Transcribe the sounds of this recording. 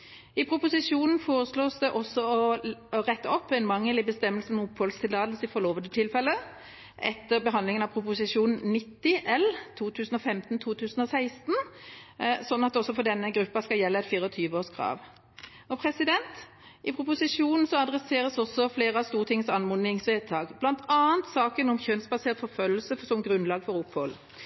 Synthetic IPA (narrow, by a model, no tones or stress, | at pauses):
ɪpʰʁʊpʊsɪʂuːnn̩foːʁəsloːsd̪ɛʔɔsɔɔʁɛt̪ːəɔpːɛɪnmɑŋːəlɪbəst̪ɛmːəlsn̩ʊpːɔlst̪ʰɪlɑːd̪əlsəɪfɔʁloːʋənd̪ət̪ʰɪlfɛlːə | ʔɛ̰t̪ːəʁbəɦɑnd̪lɪŋənɑpʰʁʊpʊsɪʂuːnn̩nɪt̪ːɪʔɛlt̪ʰuːt̪ʰʉːsn̩ɔfɛmt̪n̩t̪ʰuːt̪ʰʉːsn̩ɔsæɪst̪n | sɔnɑt̪ːɔsːɔfɔd̪ɛnːəɡɾʉpːɑskɑljɛlːəɛɪt̪fiːʁəɔt̪ʰyːʋəoːskʰʁɑ̰ːʋ | ɔpʰɾɛsɪd̪ɛnt̪ | ɪpʰʁʊpʊsɪʂuːnn̩sɔɑd̪ʁɛseːʁəsɔsːɔfleːʁəɑst̪uːʁt̪ɪŋːəsɑnmʊnɪŋsʋeːt̪ʰɑːɡb̥lɑnt̪ʰɑːənt̪sɑːkənɔmçønsbɑseːʁt̪fɔfœlːəl̩səsɔmɡʁʉnlɑːɡfɔɾʊpːhɔl